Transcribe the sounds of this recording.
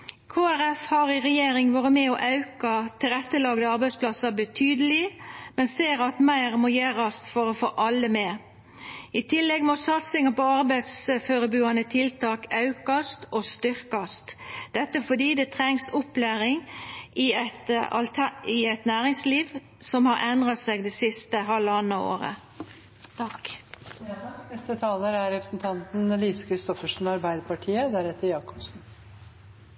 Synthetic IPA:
kʰoːæʁɛfhɑʁɪʁɛjeːɾɪŋʋoːʁəmɛɔʔɑʉkɑt̪ʰɪlʁɛt̪ːəlɑːɡ̪əɑɾbæɪspʰlɑsɑbət̪ʰyːd̪əlɪmɛnseːɾɑt̪mæɪʁmojeːʁɑst̪fɔʁɔfo̰ːʔɑlːəmeː | ɪt̪ʰɪlːɛɡmɔsɑt̪sɪŋɑpɔɑʁbæɪd̪sføːɾəbʉːɑnət̪ʰɪlt̪ʰɑːkɑʉkɑst̪ɔst̪ʏʁkɑst̪d̪̥ɛt̪ːəfɔd̪iːd̪ɛt̪ʰʁɛŋsɔplæːɾɪŋɪɛt̪ɑ̰lt̪ʰɪɛɪt̪næːʁɪŋsliːʋ | sɔmhɑɾʔɛnd̪ʁɑt̪seɡd̪ɛːsɪst̪əɦɑlːɑnːɑo̰ːʁə̰ | t̪k | ɛst̪ət̪ʰɑːləɾæɾɾɛpɾə̥snt̪ʰɑnt̪n̩liːsəkʰɾɪst̪ɔfəʂn̩ɑɾbæɪd̪əpɑʈʰiːəd̪æɾɛt̪ːəɾjɑːkɔ̥bsn̩

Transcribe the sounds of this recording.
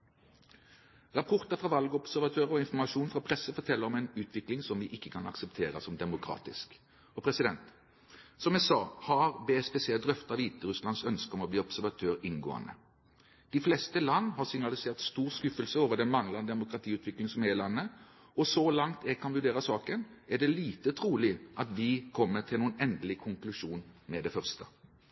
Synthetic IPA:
ʁɑpʰɔʁt̪əfʁɑʋɑlɡəɔbsæʁʋɑt̪ʰøːʁɔɪnfɔmɑʂuːnfɾʁɑpʰɾɛsəfɔʁt̪ʰɛlːəɾɔmɛɪnʉːt̪ʰʋɪklɪŋsɔmʋɪːʔɪkːəkʰɑnɑ̰ksɛpt̪ʰeːʁəsɔmd̪ɛmʊkʰɾɑ̰ːt̪ɪsk | ɔpʰɾɛsɪd̪ɛnt̪ | sɔmɛsɑːhɑʁbespɛsɪɛld̪ʁœft̪ɑʋiːt̪əʁʉslɑnsœnskəɔmɔbliːɔbsæʁʋɑt̪ʰøːʁɪnɡo̰ːə̰nə̰ | d̪̥ɪflɛst̪əlɑnːɦɑʁsɪŋnɑlɪseːʁt̪st̪uːɾskʉfəlsəoːʋəd̪ɛnmɑŋlɑnəd̪ɛmʊkɾɑt̪ʰiːʉːt̪ʰʋɪklɪŋsɔmɛlɑnːə | ɔsɔlɑŋt̪ɛɡkʰɑnʋʉɖeːɾəsɑːkənæɖɛliːt̪ət̪ʰɾuːlɪʔɑt̪ʋɪkʰɔmːət̪ʰɪlnuːənɛnd̪əlɪkʰʊŋklʉʂuːnmɛd̪ɛfœʁst̪ə

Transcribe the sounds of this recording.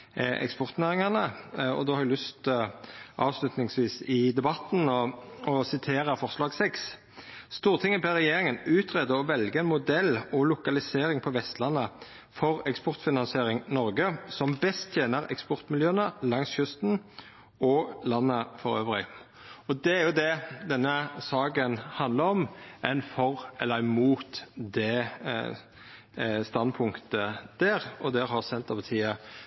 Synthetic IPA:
ʔɛ̰kspɔʁt̪næːʁɪŋɑnəɔ̰d̪oːhɑɾɪlʉst̪ | ʔɑːʋslʉt̪nɪŋsʋiːsɪd̪ɛbɑt̪n̩ɔɔsɪt̪ʰeːʁəfɔʁslɑːɡsɛks | st̪uːʁt̪ʰɪŋːəpɛʁɛjeːʁɪŋənʉːt̪ʰʁɛd̪əɔʋɛlɡəɛɪnmʊd̪ɛlːɔlʊkɑlɪseːɾɪŋpʰɔʋɛst̪lɑnːə | fɔʁɛkspɔʁt̪fɪnɑnsɪeːɾɪŋnɔʁɡəsɔmbɛst̪ʰjeːnəɾɛ̰kspɔɾt̪mɪljøːənəlɑŋsçʉst̪n | ɔlɑnːəfɔɾø̰ːʋlɪ̰ | ɔd̪ɛæɾjʊd̪ɛd̪ɛnːəsɑːɡənhɑnd̪ləɾɔmɛnfɔʁɛlːəɾmuːt̪d̪ɛ | st̪ɑnpʰʊŋkt̪əd̪̥æːɾɔd̪ɛɾɦɑʁsɛnt̪əpɑt̪ʰiːə

